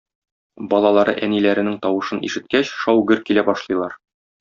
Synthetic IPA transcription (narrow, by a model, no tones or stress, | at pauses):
bɒlˠɑlˠɑɾɤ̰ʔænilæɾɘ̆nɘŋt̪ɒwɤ̆ʃɤnḭʃɘ̆t̪̚kæɕʃɒwɡɘɾkilæbɒʃlˠɤ̆jlˠɑɾ